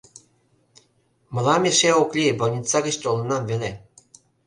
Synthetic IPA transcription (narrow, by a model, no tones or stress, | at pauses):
mɤ̆lɑmʲeʃeoklʲibɤ̆lʲnʲit͡sɑɡɘ̆ɕt̪ʲolˠɤ̆nɑmvelʲe